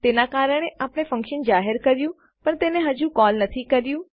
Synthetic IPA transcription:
t̪eːnakaːɾəɽ̃eʔaːpɽ̃efɐ̃ŋkʃənd͡ʒaːɦɪɾkɐɾjũ | pɐɾt̪eːnẽɦɐd͡ʒũkɔːlnɐt̪ʰikɐɾjũ

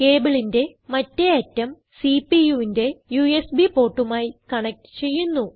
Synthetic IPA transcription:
ke̞ːbiɭinde̞mɐtːe̞ɐtːɐm | sipijuʋinde̞juesbipo̞ːʈːumaːjikɐɳek̚ʈɨ̥t͡ɕe̞jːunːu

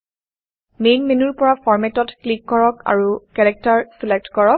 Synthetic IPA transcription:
menmenuɹpɔɹafɔɹmɛtɔtklikːɔɹɔka̰ɹukɛɹɛk̚taɹsilɛk̚tkɔɹɔk̚

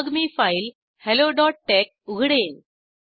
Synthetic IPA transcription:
ɡmifail | heloɖɔʈ̚ʈek̚ | uɡʱɽen

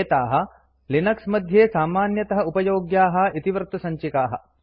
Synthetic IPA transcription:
t̪aːɦɐ̆ | linɐksmɐd̪ʱjeːsaːmaːnjɐt̪ɐɦɐ̆upɐjoːɡjaːɦɐ̆it̪iʋɐɾt̪ɐsɐɲt͡ʃikaːɦɐ̰̆

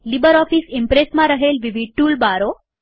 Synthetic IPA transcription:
libəɾɔfiːsimpɾesmãɾəɦelʋiʋiʈuːlbaɾo

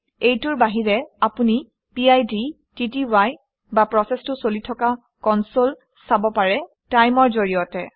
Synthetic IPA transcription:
ejtʊɹbaɦiɹɛapuni | piajdi | titiwaj | bapɹɔsɛstʊsolitʰɔka | kɔnsol | sabɔpaɹɛ | tajmɔɹzoɹijɔtɛ

